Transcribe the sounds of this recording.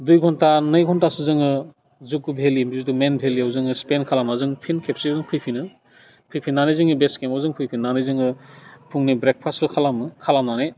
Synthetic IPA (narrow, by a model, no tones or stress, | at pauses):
dujɡʰʱɔntanɯjɡʰɔntasɯzɯŋɯ | zukɯbʱelimizutumenbʱeliawzɯŋɯspenkʰalamazɯŋpʰinkʰep̚sizɯŋpʰɯjpʰinɯ | kʰɯjpʰinːanɯzɯŋibeskemawzɯŋpʰɯjpʰinːanɯzɯŋɯpʰuŋnibɾek̚pʰaslɯkʰalamkʰalamnane